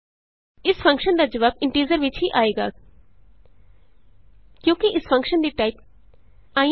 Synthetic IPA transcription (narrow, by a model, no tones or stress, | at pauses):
ɪsfɐ̃ŋkʃənd̪aːd͡ʒɐʋaːbɪ̃ɳʈiːzəɾʋɪt͡ʃʰɦiʔaːeːɡa̰ː | kjõːkiʔɪsfɐ̃ŋkʃənd̪iʈaːip̚ | aːj̃